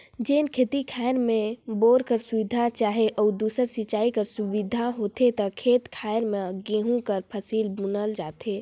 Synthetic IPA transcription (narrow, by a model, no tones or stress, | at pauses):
d͡ʒeːnkʰeːt̪ikʰaːɪɾmẽboːɾkəɾsʊʋɪd̪ʱat͡ʃaːɦeʔɔːd̪uːsəɾsɪt͡ʃaːikəɾsʊʋɪd̪ʱaɦoːt̪et̪ɐkʰeːt̪kʰaːɾmẽɡẽːɦũkəɾpʰəsiːlbʊnəld͡ʒaːt̪eː